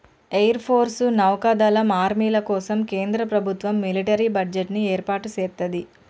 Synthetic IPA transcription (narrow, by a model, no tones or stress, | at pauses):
ejɐɾpʰoːɾsunɐwkaːd̪aːlɐmaːɾmiːlɐkɔːsɐmkeːnd̪ɾɐpɾɐbʱut̪ʋɐmːiliʈɐɾibɐɖd͡ʒeʈnieːɾpaːʈut͡ʃeːɾt̪ɐd̪i